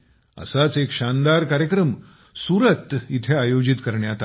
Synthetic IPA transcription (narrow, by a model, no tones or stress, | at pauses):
ə̰sat͡sekɕand̪aɾkaɾjəkɾəm | suɾət̪ːit̪ʰeajod͡ʑit̪kəɾɳjat̪a